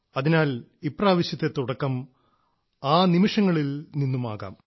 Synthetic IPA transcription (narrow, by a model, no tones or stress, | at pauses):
ɐðinaːlipːraːʋɐɕjɐt̪ːet̪ːuɽɐkːɐm | aːnimɐʂɐŋːɐɭilninːuma̰ːɣa̰ːm